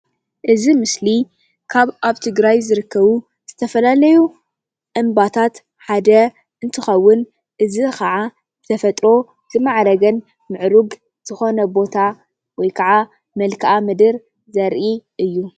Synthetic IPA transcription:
ʔɨzimɨsli | kʰaβʔaβt̪ʰɨɡɾajzɨɾɨkʰːɐβu | z̥ɨt̪ʰɐfɐlalɐju | ʔɨmbat̪ʰat̪ | ħad̪ɐ | ʔɨnt̪ʰɨxɐwːʊn | ʔɨzikʰɐʕa | zɨt̪ʰɐfɐt̪ʼɾo̞ | z̥ɨmaʕɾɐɡɐn | mɨʕɾuɡ | z̥ɨxo̞nɐbo̞t̪ʰa | wɔjkʰɐʕa | mɐlkʰɐʔamɨd̪ɨɾ | zɐɾʔiʔɨjːu

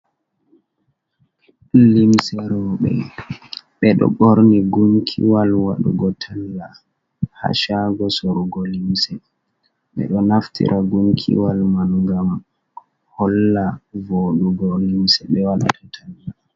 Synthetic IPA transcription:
limsɛɾɔɓɛ̰ | ɓɛɗɔ̰ɓoɾniɡuŋkʰḭwalwaɗṵɡɔtʰalia | ha̰ʃaɡɔsoɾuɡɔlimsɛ | ɓɛ̰ɗɔnaftʰḭɾʔaɡuŋkʰḭwalmalŋɡam | hɔlːavoɗuɡɔlimsɛɓɛwaɗa̰tʰatʰalila

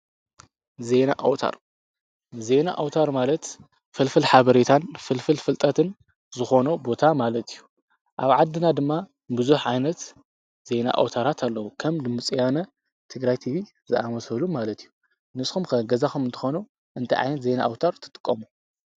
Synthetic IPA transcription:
ze̞naʔa̰wt̪ʰa̰ɾ | ze̞na̰ʔawt̪ʰaɾmalɐt̪ | fɨlfɨlħaβɐɾet̪ʰanfɨlfɨlfɨlt̪ʼɐt̪ʰɨn | zɨxo̞nubo̞t̪ʰamalɐt̪ijːu | ʔaβʕad̪ːɨnad̪ɨmːa | bɨzuħʕajnɐt̪ | z̥e̞na̰ʔa̰wt̪ʰaɾat̪ʰalːɐwukʰɐmd̪ɨmɨt͡sʼijanɐ | t̪ʰɨɡɾajt̪ʰiβi | zɨʔamɐsɐlumːalɐt̪ijːu | nɨskumkɐɡɐzaxumɨnt̪ʰɨ̥xonu | ʔɨnt̪ʰɐʕa̰jnɐt̪ze̞na̰ʔawt̪ʰaɾt̪ʰɨ̥t̪ʼɨ̥kʼːɐmu

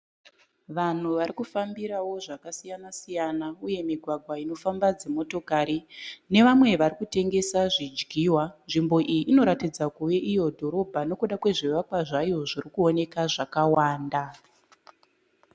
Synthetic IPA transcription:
ʋan̤uʋaɾikufambiɾawo̞ʐakasijanasijanauje̞miɡʱwaɡʱwaino̞fambad͡ze̞mo̞to̞kaɾine̞ʋamwe̞ʋaɾikute̞ŋɡe̞saʐid͡ʒɡʱiːwanʐimbo̞ʔijiʔːno̞ɾatid͡zakuʋe̞ʔijo̞dʱo̞ɾo̞bʱano̞kuɗakwe̞ʐiʋakwaʐajo̞ʐirikuo̞ne̞kaʐakawaːnda

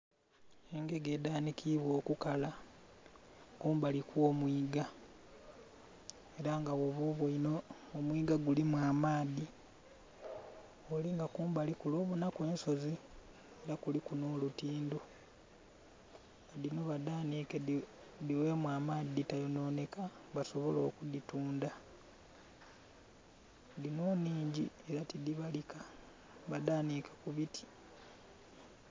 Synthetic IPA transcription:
e̞ŋɡe̞ɡe̞ːdaːnikʰiβwo̞ːkukala | kuːmbalikwoːmwiːɡa | e̞ɾaŋɡawoβoβuinoː | mwiːɡaɡulimwaːmaːði | oliŋɡakuːmbalikulo̞ːβunakwe̞ːnso̞zi | eɾakulikunoːlutiːndo | aðino̞βadaːnike | diwe̞ːmwaːmaːðitajono̞ːne̞kaβaso̞βo̞lo̞ːkudituːnda | dinoːniːɲɟḭ | e̞ɾatidiβalika | βadaːnikakuβitʰi̥

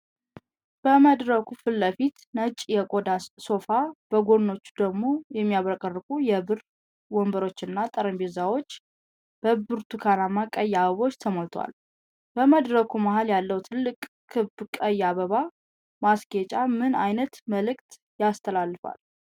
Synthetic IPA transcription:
b̥əməd̪ɾəkʰufɨlːəfit̪nət͡ʃʼjɛkʼod̪asso̞fab̥əɡo̞d̪no̞t͡ʃːud̪əɡmo̞jɛmːijaβɾəkʼərːɨkʼujɛbɨr | wɔmbəɾo̞t͡ʃːɪnːat̪ʼəɾəmbezawo̞t͡ʃː | b̥əbɨɾt̪ʰukʰanamakʼəjːaβəβo̞t͡ʃːt̪ʰəmolt̪ʰwa̰l | b̥əməd̪ɾəkʰumahaljalːəwt̪ʰɨlːɨkʼ | kʰːɨbkʼəjːaβəβa | masɡet͡ʃʼamɨnajnət̪məlɨk̚ʼt̪ | jast̪ʰəlalːɨfa̰l

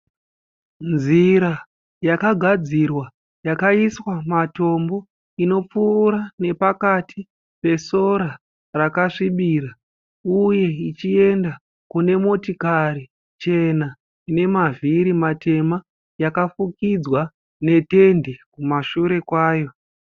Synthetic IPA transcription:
nd͡zziɾa | jakaɡʱad͡zirwa | jakaiswamato̞mbo̞ | ino̞p͡fuːɾane̞pakatʰi | pe̞so̞ɾa | rakaʂiɓiːra | uje̞it͡ʃie̞nda | kune̞mo̞tikaɾi | t͡ʃe̞na | ine̞maviɾimate̞ma | jakafukid͡zwa | ne̞te̞ndekumaʃuɾe̞kwaːjo̞

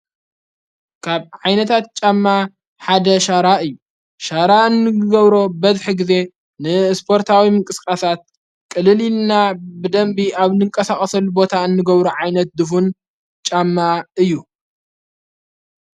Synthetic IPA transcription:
kʰaβʕajnɐt̪ʰat̪̚t͡ʃʼamːa | ħad̪ɐʃaɾaʔɨjːu | ʃaɾaɨnːɨɡɐβɾo̞bɐzħɨɡɨze̞ | nɨspʰo̞ɾt̪ʰawimɨŋkʼɨskʼasat̪̚ | kʼɨlɨlilnabɨd̪ɐmbiaβnɨŋkʼɐsaxʼɐsɐlːubo̞t̪ʰaɨnːɨɡɐβɾuʕajnɐt̪̚d̪ɨfun | t͡ʃʼamːaɨjːu

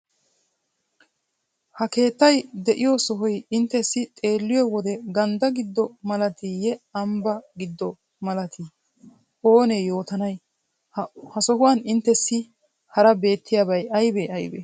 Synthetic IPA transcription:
hɐke̞ːt̪ːɐjd̪ɛʔɪjɔsɔɦɔjɪnt̪ːɛsːɪt̪ʼe̞ːlːɪjɔwɔd̪ɛɡɐnd̪ɐɡɪd̪ːɔmɐlɐt̪ijɛɐmbɐɡɪd̪ːɔ | mɐlɐt̪ʰi | o̞ːnejo̞ːt̪ɐnɐj | hɐsɔhʊwɐnɪnt̪ːɛsːɪ | hɐɾɐbe̞ːt̪ːɪjaːbɐjɐjbeɐjbɛ̰

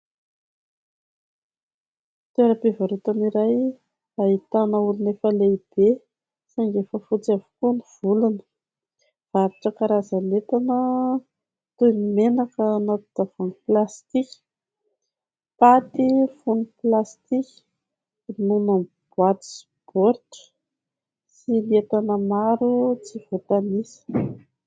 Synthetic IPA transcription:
t̪eɾəpevaɾut̪aniɾaj | ait̪anaulinefəleib̥e | saŋɡefəfut͡siavu̥kuniv̥ulunə̥ | v̥aaɾiʈ͡ʂakaɾazanet̪anə | t̪unimenakəːnat̪ud̪avoniplast̪ikʲi̥ | pat̪ifuniplast̪ikʲi̥ | nunam | b̥wat̪i̥s | b̥oɾʈ͡ʂə̥ | silet̪anəmaɾut͡siv̥ot̪anisə̥

